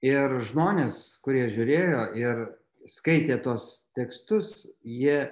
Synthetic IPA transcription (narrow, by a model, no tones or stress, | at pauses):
ɪɾʒmoːnʲeːskʊɾʲiɛʒʲʊɾʲeːjoːʔɪɾ | skɐɪt̪ʲeːt̪uɔst̪ʲɛkst̪ʊsjiɛ